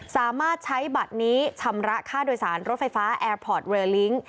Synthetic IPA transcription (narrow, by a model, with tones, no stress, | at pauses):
saː˨˩˦maː˥˩t̪̚t͡ɕʰa˦˥jba˨˩t̪̚niː˦˥t͡ɕʰa˧mɾa˦˥kʰaː˥˩doː˧jsaː˩˦nɾo˦˥t̪̚fa˧jfaː˦˥ʔɛː˧pʰɔː˨˩t̪̚wɤː˧li˦˥ŋ